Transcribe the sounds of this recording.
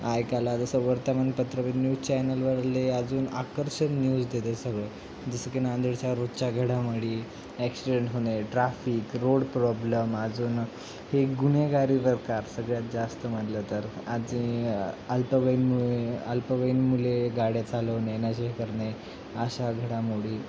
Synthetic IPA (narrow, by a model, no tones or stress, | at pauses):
ajkalat̪əsəwʋəɾt̪əmanpət̪ɾəʋinjuːzt͡ɕɛjnəlʋəɽlead͡zuːna̰kəɾɕənnjuːd͡zd̪et̪esəɡɭə | d͡zəsəkenand̪əɽt͡ɕjaɾod̪t͡ɕaɡʱəɽaməɽi | ɛksiɖeɳʈɦoneʈɾafiːkɾoɽpɾɔbləmad͡zuːn | heɡuneɡaɾipəɾkaɾsəɡɭjat̪̚d͡zast̪əmət̪lət̪əɾad͡ʑĩəlpəʋəinmueəlpəʋəinmuleɡaɽjat͡saləʋnenaɕekəɾne | aɕaɡʱəɽamoɽiː